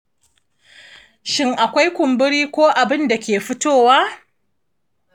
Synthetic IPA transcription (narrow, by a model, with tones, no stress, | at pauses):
ʃɪ˦ŋʔa˨kʷa˦jkʷʊ˨mbɪ˦ɽiː˦kʷoː˦ʔa˨bɪ˦nda˨kʲeː˨ɸɪ˦toː˦waː˦